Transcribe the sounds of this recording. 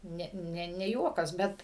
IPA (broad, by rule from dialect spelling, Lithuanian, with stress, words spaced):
ˈnʲɛ ˈnʲɛ nʲɛ ˈjuɔkɐs ˈbʲɛt